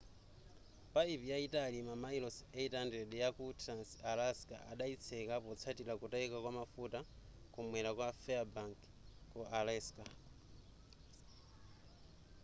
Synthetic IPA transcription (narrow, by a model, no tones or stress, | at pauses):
paipijaitalimamailɔsɛitandɛɗɛjakutʰɾansalaska̰ʔaɗait͡sʰɛkapɔt͡sʰatilakutaikakwamafuta | kumwɛlakwafɛabaŋkː | ɔʔalɛska